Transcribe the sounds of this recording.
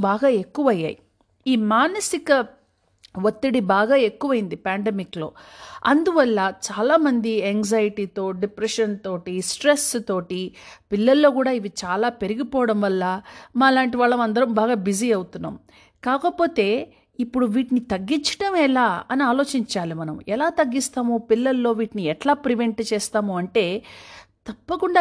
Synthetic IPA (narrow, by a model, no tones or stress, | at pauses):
baːɡaːe̞kːuʋɐjːa̰ːji | iːmaːnɐsikɐ | ʋot̪ːiɽibaːɡaːe̞kːuʋɐjind̪ipaːɳɖemiklo̞̰ːɐnd̪uʋɐlːɐt͡ʃaːlaːmɐnd̪iɛŋzaːjiʈiːt̪o̞ːɖipɾeʂɐnt̪o̞ːʈisʈɾest̪o̞ːʈipilːɐlːo̞ːkuːɽaːiʋit͡ʃaːlaːpe̞ɾiɡipɔːʋɐɽɐmʋɐlːɐmɐlaːɳʈiʋaːɭːɐmɐnd̪ɐɾɐmbaːɡaːbiziɐwut̪unːa̰ːm | kaːkɐpo̞ːt̪e̞ː | ipːuɽuʋiːʈinit̪ɐɡːiɲt͡ʃɐ̥ʈɐmɛlaːɐniaːlo̞ːt͡ʃiɲt͡ʃaːlimɐnɐ̰mɛlaːt̪ɐɡːist̪aːmupilːɐlːo̞ːʋiːʈiniɛʈlaːpɾiʋeɳʈt͡ʃɛːst̪aːmuɐɳʈe̞ːt̪ɐpːɐkuɳɖaː